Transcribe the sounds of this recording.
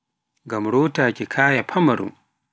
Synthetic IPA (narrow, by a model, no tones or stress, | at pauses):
ŋɡamɾoːtaːkikʰaːjapʰamaɾṵ